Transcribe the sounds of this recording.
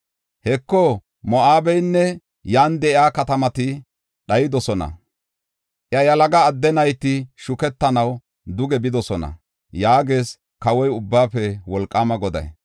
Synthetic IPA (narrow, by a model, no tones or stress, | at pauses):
hɛkːɔ | mɔʔaːbɛjnːɛ | jaːnd̪ɛɪaːkɐt̪ɐmɐt̪ɪ | ɗɐjɪd̪ɔsɔnɐ̰ | ʔjɐjɐlɐɡɐːd̪ːɛnɐjt̪ɪʃʊkɛt̪ːɐnɐw | d̪ʊɡɛbɪd̪ɔsɔnɐ̰ | jaːɡeːs | kɐwɔjʊbːaːpːɛwɔlkʼːaːmɐɡɔd̪ɐ̰j